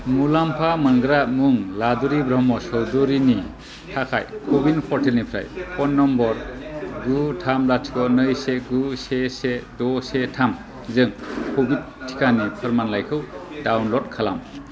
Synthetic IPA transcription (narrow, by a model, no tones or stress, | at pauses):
mulampʰamɯnɡɯɾamuŋladuɾibɾɔmɔsɔwduɾini | tʰakʰa̰jkʰobinpʰɔɾtʰelnipʰɾa̰jpʰɔnːɔmbɔɾɡutʰamlatʰi̥kɔnɯjseɡusesedɔsetʰam | zɯŋkʰobit̚ | tʰːi̥kʰanipʰɯɾmanlajkʰɯwdawnlɔt̚kʰala̰m